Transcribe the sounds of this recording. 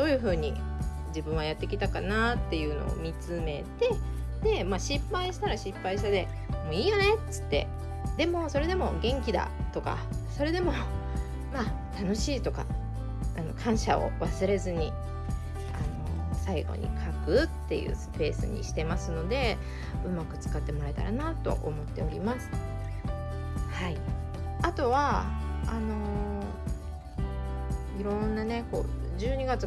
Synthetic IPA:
d̪̥o̞ːjɯ̟ɸɯ̟ːɲ̟i | d͡ʑibɯ̟̃ɰ̃βajat̪ːe̞kʲit̪akanat̪ːe̞jɯ̟ːno̞̰o̰mʲit͡sɨme̞t̪e̞d̪e̞maːɕipːaiɕi̥t̪aɾaɕipːaiɕi̥t̪ad̪e̞ | moiːjo̞ne̞tt͡sɨ̥t̪ːe̞̰ | d̪e̞mo̞so̞ɾe̞d̪e̞mo̞ɡẽ̞ŋkʲid̪a̰t̪o̞ka̰so̞ɾe̞d̪e̞mo̞ | ma | t̪ano̞ɕiːt̪o̞ka̰ | ano̞̰kʰãɰ̃ɕao̞̰βasɨɾe̞zɨɲ̟i | ano̞saiɡo̞̰ɲ̟ʔḭkʰakɯ̟t̪ːe̞̰jɯ̟̰ːsɨ̥pe̞ːsɨ̰ɲ̟ḭɕi̥t̪e̞masɨno̞d̪e̞ | ɯ̟makɯ̟̥t͡sɨ̥kat̪ːe̞mo̞ɾae̞t̪a̰ɾa̰nat̪o̞̰ʔomo̞t̪ːe̞o̞ɾʲimasɨ̥ | hai | at̪o̞βaano̞ | iɾõ̞nːane̞ko̞̰ːd͡ʑɨːɲ̟iɡat͡s

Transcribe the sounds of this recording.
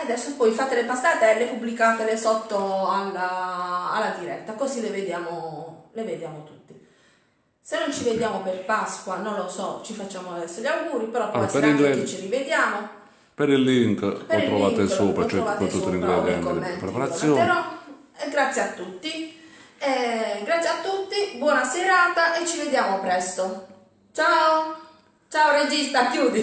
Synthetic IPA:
ad̪ɛsːopɔjfaːt̪elepast̪aːt̪eɛlːepubːlikaːt̪elesɔt̪ːoalːaalːad̪iɾɛt̪ːakozileved̪jaːmoleved̪jaːmot̪ut̪ːi | senːont͡ʃived̪jaːmoperpaskwanonlosɔt͡ʃifat͡ʃːaːmoad̪ɛsːoʎːawɡuːɾipɛɾɔpasɾiket͡ʃːirived̪jaːmo | peɾilːiŋkpeɔit̪ɾɔvaːkt̪esoːpɾat͡ʃɔɛɔpvaːtːpɔt̪ut̪ːɾiŋɡɾɛd̪ɛk̪emːɛnpɾɛpaɾat̪sːjoːɛɾɔ | ɛɡɾat̪sːjiat̪ːut̪ːi | ɛɡɾat̪sːjiat̪ːut̪ːibwɔːnasɛɾaːt̪aʔɛt͡ʃːived̪jaːmɔpɾɛst̪o | t͡ʃao | t͡ʃaːored͡ʒist̪akːjuːd̪i

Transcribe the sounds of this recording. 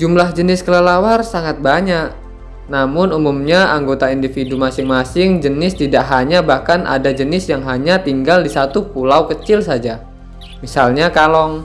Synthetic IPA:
d͡ʒumlahd͡ʒənɪskələlawarsaŋat̪̚baɲaʔ | namʊnumumɲaʔaŋɡot̪aindifidumasɪŋmasɪŋd͡ʒənɪst̪idaʔɦaɲabahkana̰dad͡ʒənɪsjaŋɦaɲat̪iŋɡaldisat̪upulawkət͡ʃɪlsad͡ʒa | misalɲakalɔŋ

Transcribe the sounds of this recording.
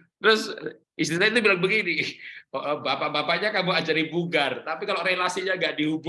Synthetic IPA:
t̪əɾʊs | ist̪isaait̪̬ubilaŋbəɡinioʔəbapabapaɲakamuad͡ʒaɾibuɡart̪apikalorelasiɲaŋɡaʔdiɦub

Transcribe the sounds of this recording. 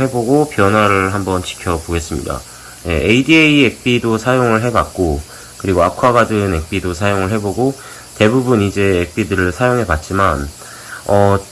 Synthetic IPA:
e̞boɡopjʌnwaɾɯɭɦambʌnt͡ɕi̥kʰjʌboɡe̞s͈ɯmɲḭda̰ | je̞̰ʔeidieiek̚p͈idosʰajoŋɯɭɦe̞bak̚k͈o | kɯɾiɡoakʰwaɡadɯne̞k̚p͈idosʰajoŋɯɭɦe̞boɡo | te̞bubunid͡ʑe̞ek̚p͈idɯɾɯɭsʰajoŋɦe̞pat̚t͡ɕ͈iman | ʌ

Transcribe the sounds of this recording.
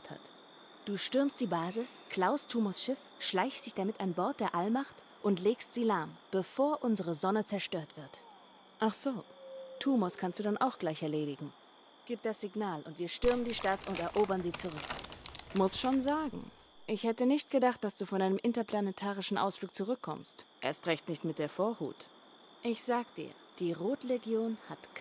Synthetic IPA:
tha̰t | d̥uːʃtʏɐmstd̥iːbaːzɪskʰl̥aʊstʰuːmɔsʃɪfʃlaɪçstd̥ɪçd̥amɪtanbɔɐt̚d̥eːɐʔalmaχt | ʔʊntleːkstz̥iːlaɐmb̥əfoːɐʔʊnzəʁəzɔnət͡sɛɐʃtøːɐtv̥ɪɐt | ʔaχz̥oːtʰuːmɔskʰanstd̥uːdanʔaʊxɡ̥laɪçɛɐleːɾɪɡŋ̩ | ɡ̥iːp̚d̥asz̥ɪɡnaːlʔʊntv̥iːɐʃtʏɐməndiːʃtatʰʊntɛɐʔoːbɐnziːt͡suʁ̞ʏkmʊsʃoːnzaːɡŋ̩ | ʔɪçhɛtənɪçtɡ̥ədaχt̚d̥asd̥uːfɔnʔaɪnəmʔɪntɐpʰl̥anɛtʰaːʁ̞ɪʃn̩ʔa̰ʊsfluːk̚t͡suʁʏkʰːɔ̰mstʔḛɐstʁɛçtnɪçtmɪt̚d̥eːɐfoːɐhṵːt | ʔɪçz̥aːɡəd̥ḭːɐd̥iːʁoːtleɡjoːnhatkʰ

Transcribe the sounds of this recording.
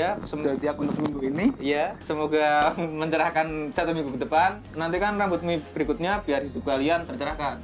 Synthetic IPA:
asəmt̪iakunt̪ʊk̚miŋɡuiniijasəmoɡaməɲt͡ʃəɾahkansat̪umiŋɡukədəpanːant̪ikanrambʊt̪̚mubɾikʊt̪̚ɲapiarɦid̪ʊp̚kaliant̪ərt͡ʃəɾahkan

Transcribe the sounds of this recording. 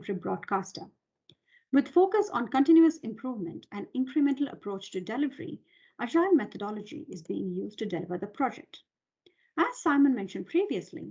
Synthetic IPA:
ibɾɔ̰ːɖkʰaːsʈə | wɪd̪foːkəsɔ̃nkə̃nʈɪ̃njuəsɪ̃mpʰɾuːvmə̃nʈʰæ̃nɪ̃ŋkɾɨmɛ̃nʈl̩ə̰pʰɾoːt͡ʃʈudɛlɪvəɾḭ | ʔəd͡ʒaɪlmɛt̪ʰədɔlɔd͡ʒḭɪzbiːɪ̃ŋjuːz̚ʈudɛlɪvəɾd̪əpʰɾɔd͡ʒɛ̰k̚ʈ | æz̥saɪmə̃nmɛ̃nʃə̃nɖ̚pʰɾiːʋiəslḭ

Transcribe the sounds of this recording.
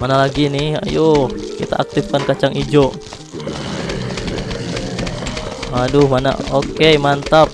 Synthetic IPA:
manalaɡinɪha̰jokit̪a̰ʔak̚t̪ɪfkankat͡ʃaŋid͡ʒoʔ | madʊhmana̰okemant̪ap̚

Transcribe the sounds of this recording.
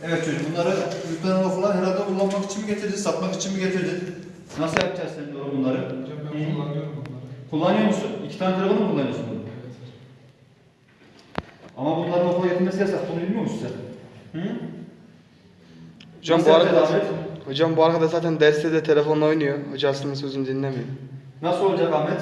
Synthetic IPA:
evɛt̪t͡ʃʰod͡ʒimbunlˠaɾɯyk̪ʲlʲenbafɯlˠaɾɦeɾalʲd̪akʰulˠːanmaki̥t͡ʃʰimiɟe̞t̪ʰiɾd̪isat̪maki̥t͡ʃʰimiɟe̞t̪ʰiɾd̪i | nasɯjapʰd͡ʒazenʲimd̪oɾɾbunlˠaɾɯ | kʰulˠːanɯjomusunicʰi̥t̪anɛk̪ʰɯɾabɯlˠɯmbunˠaɾnosun | amabunlˠaɾɯnofʰoɟet̪ʰilʲmesijʲasak̪̚bunubilʲmijomusi̥sah | hod͡ʒambuaɾahod͡ʒambuaɾkd̪azaːt̪ʰænd̪æɾst̪ɛd̪ɛt̪ʰe̞lʲefo̞nːo̞jnujoho̞d͡ʒaasɯnd̪asøzynyd̪inlʲɛmijoɾm | nasɯlˠolˠd͡ʒakahmɛt̪

